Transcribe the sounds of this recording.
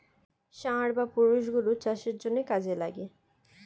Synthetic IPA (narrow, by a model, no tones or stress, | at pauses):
ʃãɾbapuɾuʃɡulut͡ɕaʃeɾd͡ʑonːekad͡ʑela̰ɡe